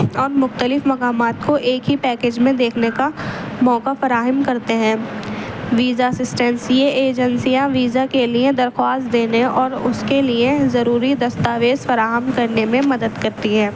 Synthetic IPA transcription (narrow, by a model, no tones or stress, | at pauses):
ɔːɾmʊxt̪əlɪfmɐkaːmaːt̪koʔeːkɦipɛːkeːd͡ʒmẽd̪eːkʰnekamɔːkafɐɾaːɦəmkɐɾt̪eɦɛ̃ː | ʋiːzasɪsʈɛ̃nsieeːd͡ʒə̃nsijãʋiːzakelied̪ɐɾxwaːst̪̚d̪eːneɔːɾʊskeliezɐɾuːɾid̪ɐst̪aːʋeːzfɐɾaːɦəmkɐɾnemẽmɐd̪əd̪kɐɾt̪iɦɛ̃ː